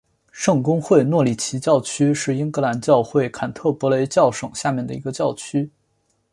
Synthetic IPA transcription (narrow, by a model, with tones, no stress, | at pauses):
ʂɤ˥˩ŋkʊ˥ŋxwe˥˩˧ɪnwɔ˥˩li˨˩t͡ɕʰi˧˥t͡ɕjɑ˥˩ʊt͡ɕʰy˥ʂɻ̩˥˩i˥ŋkɤ˧˥la˧˥nt͡ɕjɑ˥˧ʊxwe˥˩ɪkʰa˨˩nt̪ʰɤ˥˩pwɔ˧˥le˧˥ɪt͡ɕjɑ˥˩ʊʂɤ˨˩ŋɕja˥˧mjɛ˥˩nd̪ə̰˩i˧˥ɡə˧t͡ɕjɑ˥˩ʊt͡ɕʰy˥